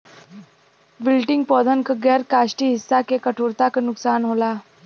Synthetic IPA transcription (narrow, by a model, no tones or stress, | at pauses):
ʋilʈiŋɡ̚pɔd̪ʱənkəɡəɾkaɕʈiːɦisːakekəʈʰoɾt̪aknuksanɦola